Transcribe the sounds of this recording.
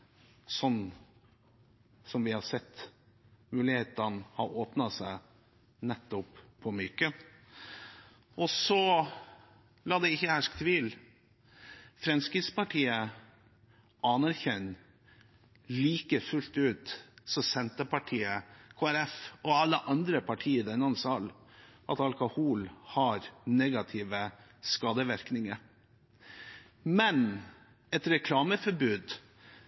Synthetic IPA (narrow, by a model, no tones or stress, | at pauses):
sɔnː | sɔmʋɪhɑɾsɛt̪ː | mʉːlɪheːt̪ənhɑɾoːpnɑsæɪ | nɛt̪ːɔpʰː | ɔmʏkə | ʔɔsɔ | lɑːd̪ɛɪçːəhæʂk̚t̪ʰʋiːl | fɾɛmskɾɪɡspɑʈʰiːə | ʔɑnæɾçɛn | liːkəfʉlt̪ʉːt̪sɔsɛnt̪əpɑʈʰiːəkʰoːæɾɛfɔɑlːəʔɑnd̪ɾəpʰɑʈʰiːəd̪ɛnːɑnsɑlʔɑt̪ɑlkʊhuːlhɑɾneɡɑt̪ʰɪːʋə | skɑːd̪əʋæɾknɪŋəɾ | mɛn | ɛt̪ɾɛkʰlɑːməfɔɾbʉːd̪